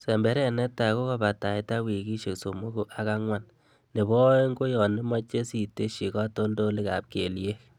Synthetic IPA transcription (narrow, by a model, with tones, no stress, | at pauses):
sɛ˨mbɛ˦ɾɛ˦˨nɛ˦ta˨ko˦ka˦ba˨ta˨i˦ta˦wi˨ki˦ʃe˨kso˨mo˦ɡo˦ʔa˨ka˦ŋwa˦n | ne˨bɔ˦ŋɡo˦jɔ˨nɪ˦ma˦t͡ʃe˦si˨te˦ʃi˨ka˦to˦ndo˦li˦ka̰˨p̚ke˨lje˦k